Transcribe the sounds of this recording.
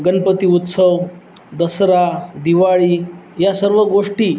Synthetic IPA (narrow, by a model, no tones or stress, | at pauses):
ɡənpət̪iːut̪səw | d̪əsɾad̪iʋaɭiːjasəɾʋəɡoʂʈiː